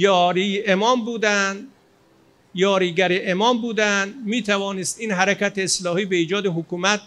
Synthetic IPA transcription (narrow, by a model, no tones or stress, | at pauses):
jɒːɾiːemɒːmbuːd̪ænd̪ | jɒːɾiːɡæɾeʔemɒːmbuːd̪ænd̪miːt̪ʰævɒːnest̪iːnɦæɾækæt̪eːslɒːhiːbe̞iːd͡ʒɒːd̪eɦokʰuːmæt̪̚